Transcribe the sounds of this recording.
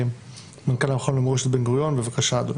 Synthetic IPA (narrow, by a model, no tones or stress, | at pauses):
mankalamχonlemʁeʃet̪benɡʁujonbevakaʃaːd̪on